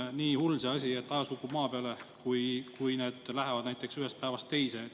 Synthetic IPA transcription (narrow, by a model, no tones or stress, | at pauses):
niːhulseɑsʲie̞t̪ːɑjɑskokːˑumɑːpeɑlekujkujneːd̪̥læɦe̞vɑd̪næjt̪ːˑe̞ksyhest̪̚pæevɑst̪ːe̞jse